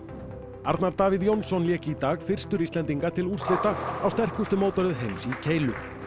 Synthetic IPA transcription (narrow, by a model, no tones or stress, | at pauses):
a̰ɾt̪naɾt̪aːvɪðjownsɔnljɛːcɪːt̪aːɣfɪr̥st̪ʏɾiːst̪ɛnt̪iŋkat̪ʰɪlur̥st̪ɪht̪aawst̪ɛr̥kʏst̪ʏmoːwt̪ɔɾɪðɦejmsicʰeːjlʏ̰